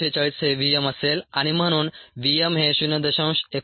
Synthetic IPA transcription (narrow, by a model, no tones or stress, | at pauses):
et͡ɕaɭiseʋijeməselaɽ̃im̤əɽ̃uːnʋiemɦẽɕunəd̪əɕə̃w̃ɕek